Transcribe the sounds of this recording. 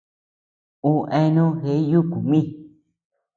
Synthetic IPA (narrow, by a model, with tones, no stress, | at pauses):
ũ˦ʔẽ˧nũ˦he˧˦ju˦ku˨mĩ˦˨